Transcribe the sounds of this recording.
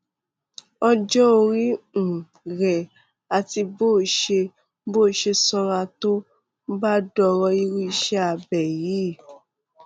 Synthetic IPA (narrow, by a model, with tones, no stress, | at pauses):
ɔ˧d͡ʒɔ˦o˧ɾĩ˦n̩˨ | ɾɛ˨ | a˨ti˧boː˦˨ʃe˧ | boː˦˨ʃe˧sɔ˧ɾa˧to˦ | ɡ͡ba˦dɔ˧ɾɔ˧i˧ɾu˦i˧ʃɛ˦a˧bɛ˨ji˨˦˨